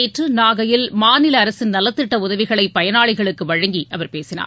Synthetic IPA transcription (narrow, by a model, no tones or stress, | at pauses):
eːʈrɯnaːɣɐjɪlmaːnɪlɐːɾɐsɪnnɐlːɐt̪ːɪʈːɐʊðɐʋɪɣɐɭɐɪpːɐjɐnaːɭɪɣɐɭɯkːɯʋɐɻɐŋɡiʔɐʋɐɾpeːsɪna̰ː